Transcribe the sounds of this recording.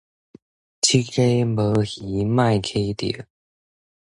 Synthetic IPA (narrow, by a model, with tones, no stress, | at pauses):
t͡ɕʰi˥ke˥ɪmə˨˧˥xi˨˦ma˥˩˨ɪkʰe˥ɪt̪ḭ˨˦